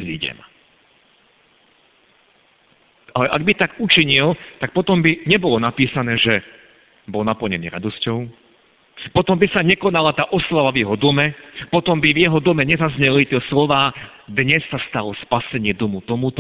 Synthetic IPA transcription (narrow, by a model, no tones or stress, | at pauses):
zḭɟɛ̰m | alɛʔaɡ̚bit̪aɡut͡ʃiɲilt̪ak̚pɔt̪ɔmbiɲɛbɔlɔnapiːsanɛːʒɛ | bɔlnapl̩ɲɛnḭːɾa̰d̪ɔscɔʊ | pɔt̪ɔmbisaɲɛkɔnalat̪aːʔɔslaʋavjɛɦɔd̪ɔmɛpɔt̪ɔmbivjɛɦɔd̪ɔmɛɲɛzazɲɛlit̪ɪɛslɔʋaː | d̪ɲɛsːast̪alɔspasɛɲɪɛd̪ɔmut̪ɔmut̪ɔ